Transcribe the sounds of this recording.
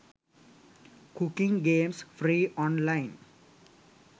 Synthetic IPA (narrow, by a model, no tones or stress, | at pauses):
kukĩŋɡeːmsfʰɾiːɔːnlaɪn